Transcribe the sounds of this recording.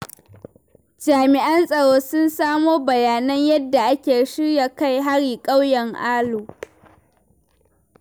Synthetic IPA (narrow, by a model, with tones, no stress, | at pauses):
d͡ʒaː˨mɪ˨ʔa˦nsʼɐ˨ɽoː˦sʊ˦nsaː˦moː˦bɐ˨jaː˨nɐ˦ɲjɐ˦dːa˨ʔa˦kʲeː˨ʃɪ˦ɽja˨ka˦˨jɦa˦ɽiː˨kʼɐ˦wjɐ˨ŋʔaː˦loː˨